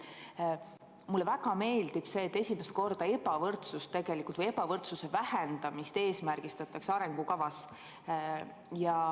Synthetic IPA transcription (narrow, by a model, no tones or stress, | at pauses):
mulːevæɡ̥ɑme̞ːld̪ib̥se̞ːt̪ːesʲimest̪̚ko̞rd̪̥ɑe̞pɑvɤrt̪sust̪ːe̞ɡ̥e̞likult̪vɤjebɑvɤrt̪suse̞væhend̪̥ɑmist̪e̞ːsmærɡ̥ist̪ɑt̪ːˑɑksɑɾe̞ŋɡ̥ukɑvɑs | jɑ